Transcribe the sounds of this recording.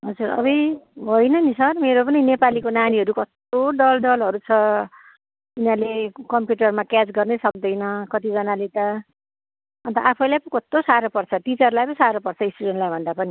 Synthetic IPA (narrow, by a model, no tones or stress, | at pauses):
ɦʌd͡zurʌ̰bʌjbʱʌjnʌnisʌrmeɾop̬ʌninepalikonaniɦʌɾukʌst̪oɖʌlɖʌlɦʌɾut͡sʰʌ | inalekʌmpjuʈʌrmakat͡sɡʌrnʌsʌk̚d̪ʌjnʌkʌt̪id͡zʌnalet̪ʌ | ʌnt̪ʌʔapʰʌjlajpʌkʌst̪osaɾopʌrt͡sʰʌt̪it͡sʌrlajpʌnisaɾopʌrt͡sʰʌisʈuɽenlajbʱʌnd̪apʌni